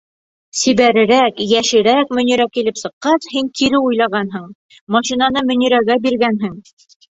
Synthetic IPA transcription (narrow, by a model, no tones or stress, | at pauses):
siβæɾɘ̆ɾækjæʃɘ̆ɾækmɵ̆niɾækilɘpsɤ̆qːɑshiŋkiɾɘujlˠɑʁɑnɦɤɴ | mɑʃinɑnɤmɵ̆niɾæɡæbiɾɡænɦɘŋ